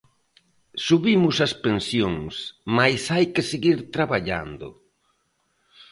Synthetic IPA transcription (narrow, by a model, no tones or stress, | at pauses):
suβimʊsɐspensjoŋsmajsajkɪseɣiɾt̪ɾaβaʎa̰nd̪ʊ̰